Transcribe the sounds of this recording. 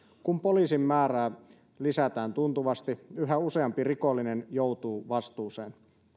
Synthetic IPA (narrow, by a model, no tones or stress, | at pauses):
kumpoliːsimːæːræː | lisæt̪æːnt̪unt̪uʋɑst̪iyɦæuseɑmpirikolːinenjowt̪uːʋɑst̪uːseːn